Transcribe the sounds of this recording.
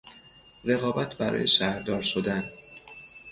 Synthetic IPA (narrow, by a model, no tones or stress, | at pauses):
ɾe̞ɣɒːbæt̪ʰbæɾɒ̰ːjḛʃæhɾd̪ɒːɾʃod̪æn